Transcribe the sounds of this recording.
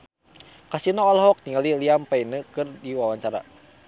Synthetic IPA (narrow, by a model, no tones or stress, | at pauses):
kasinɔɔlɦɔk̚t̪iŋaliliampainəkɨrdiwawaɲt͡ʃaɾa̰